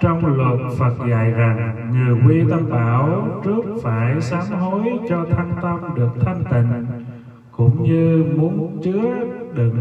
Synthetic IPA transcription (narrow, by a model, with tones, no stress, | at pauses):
t͡ɕɔ˧wŋ͡mlu˨˩t̚fə˨˩t̚ɣa̰ː˨jza˨˩ŋːɨ˨˩əjwi˧t̪a˧mɓaː˧˩wt͡ɕɨ˦˥ək̚faː˧˩jsaː˨˦ŋɦo˨˦jt͡ɕɔ˧t̪ʰa˧ŋt̪ə˧mɗɨ˨˩ək̚t̪ʰa˧jŋt̪ḭ̈˧˨ŋ̟ | kʊ̰˧˥ŋ͡mɲɨ˧mu˨˦ənt͡ɕɨ˦˥əɗɨ˨˩ŋ